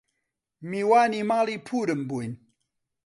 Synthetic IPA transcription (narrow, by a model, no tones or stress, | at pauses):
miwanimalipʰuɾəmbuin